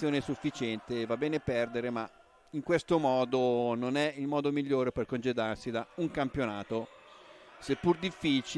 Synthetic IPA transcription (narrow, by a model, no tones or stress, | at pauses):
joːnesufːit͡ʃɛnt̪evabːɛːnepɛrd̪eɾema | iŋkwest̪omɔːd̪ononɛilmɔːd̪omiʎːoːɾeperkond͡ʒed̪arsid̪auŋkampjonaːt̪o | sepːurd̪ifːit͡ʃ